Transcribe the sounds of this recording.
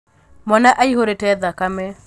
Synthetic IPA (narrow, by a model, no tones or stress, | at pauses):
mɔnaʔaiɦoɾetɛðakamɛ